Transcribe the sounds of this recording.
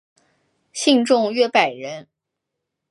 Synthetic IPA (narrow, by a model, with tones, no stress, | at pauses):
ɕi˥˧ŋʈ͡ʂʊ˥˧ŋɥɛ˥˩pa˨˩ɪɻə˧˥n